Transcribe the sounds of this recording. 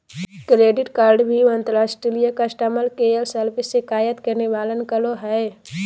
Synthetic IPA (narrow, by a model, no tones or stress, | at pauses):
kɾeːɖɪʈkaːɾɖbʱiʋə̃nt̪əɾaːsʈɾilijakasʈəməlkeːəlsəɾpɪsːekaːjət̪kɐɾneʋaːlənkəloɦɛː